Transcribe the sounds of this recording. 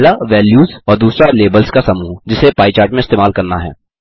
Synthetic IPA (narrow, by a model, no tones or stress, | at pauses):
laʋɛːljuːzɔːɾd̪uːsɾaleːbəlskasɐmuːd͡ʒɪsepaːit͡ʃaːɾʈmẽɪst̪eːmaːlkɐɾnaɦɛ̰ː